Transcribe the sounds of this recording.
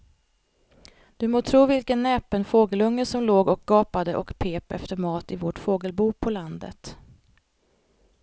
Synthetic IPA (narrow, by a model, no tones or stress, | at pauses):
d̪̥ɵmoːt̪ʰɾuːvɪlkənːɛːpənfoːɡəlɵŋːəʂɔmloːɡɔk̚ɡ̥ɑːpad̪əʔɔkpʰeːpɛ̰ft̪əɾmɑːt̪ɪvoʈfoːɡəlbuːpʰɔland̪ə̰t̪